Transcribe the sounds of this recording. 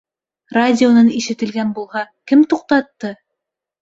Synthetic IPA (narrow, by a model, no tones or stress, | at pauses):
radʲɪonɑniʃɘ̆t̪ɘ̆lɡænbulˠhɑkɘmt̪uq̚t̪ɑt̪ːɤ